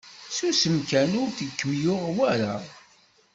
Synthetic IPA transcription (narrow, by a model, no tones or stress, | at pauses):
susəmkænʊɾθikːəmjʊʁwæɾa